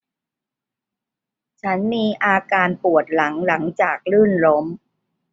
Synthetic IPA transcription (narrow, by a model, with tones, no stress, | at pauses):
t͡ɕʰa˦˥nmiː˧ʔaː˧kaː˧npu˨˩ət̪̚la˩˦ŋla˩˦ŋt͡ɕaː˨˩k̚lɯː˥˩nlo˦˥m